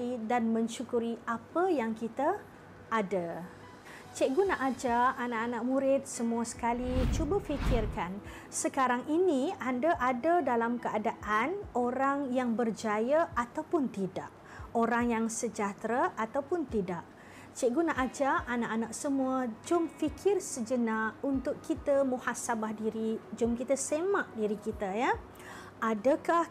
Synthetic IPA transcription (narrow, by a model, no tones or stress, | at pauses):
idanmə̃ɲʃukuɾiapəjaŋkit̪a | ʔːda | t͡ʃɪʔ̚ɡunaʔad͡ʒaanaʔanaʔmũɾɪt̪̚səmũasə̥kalit͡ʃubafikɪrkan | səkaɾaŋinĩandaʔadadalamkəadaʔanoɾaŋjaŋbərd͡ʒajaʔat̪awpʊnt̪ida̰ʔ | oɾaŋjaŋsəd͡ʒat̪ɾaʔat̪awpʊnt̪idaʔ | t͡ʃiʔɡunaʔad͡ʒaʔːnaʔanaʔsəmũəd͡ʒʊmfikʰɪrsəd͡ʒənaunt̪ʊkːit̪əmũhasabahdiɾid͡ʒʊmkit̪əsemaʔdiɾikit̪əja | adəkah